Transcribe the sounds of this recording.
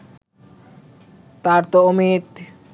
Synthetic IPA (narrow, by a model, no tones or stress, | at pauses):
t̪aɾt̪oomit̪